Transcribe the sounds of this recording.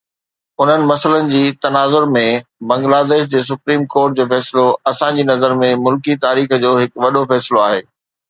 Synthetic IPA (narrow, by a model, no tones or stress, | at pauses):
ʊn̤ənɪ̆mɐsələnɪ̆d͡ʑiːt̪ɐnaːzʊɾmẽbɐ̃ŋɡlaːd̪eːʃ̬d͡ʑeːs̬ʊpɾiːmkoːɾʈ̚d͡ʑoːfɛːsɪloɐsãd͡ʑiːnɐzəɾmẽmʊlkit̪aːɾiːx̆d͡ʑoːɦɪkʋɐɗofɛːsɪloaːɦḛː